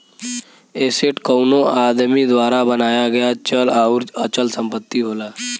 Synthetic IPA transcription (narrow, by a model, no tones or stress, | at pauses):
eːseʈkoʊnoaːd̪mid̪waːɾabənaːjaɡɐjat͡ʃəlaːʊɾət͡ʃəlsə̃mpət̪ːiɦoːlaː